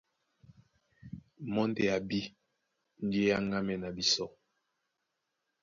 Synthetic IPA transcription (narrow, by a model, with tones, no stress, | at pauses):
mɔ˦n˦de˨a˨bi˦ | n̩˦di˦e˦ja˦ŋɡa˦mɛ˦˨na˨bi˦sɔ˦